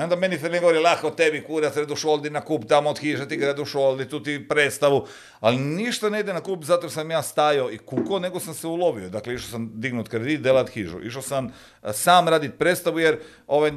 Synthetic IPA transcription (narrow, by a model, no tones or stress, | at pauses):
ond̪amenifeneɡoʋoɾilˠaxkot̪ebikuːɾat̪ɾed̪uʃold̪inakuːpt̪amood̪xiʒet̪iɡɾed̪uʃolˠd̪it̪ut̪ipɾeːt̪st̪aʋu | aliniʃt̪ane̞id̪enakuːpzat̪oʃsamjaːst̪ajoikukone̞ɡosamseuloʋiod̪akleiʃosamd̪iɡnut̪kɾed̪iːt̪̚d̪elat̪xiːʒṵʔḭʃ̬osam | saːmɾaːd̪it̪̚pɾet̪st̪aʋujeɾ | o̞ʋaj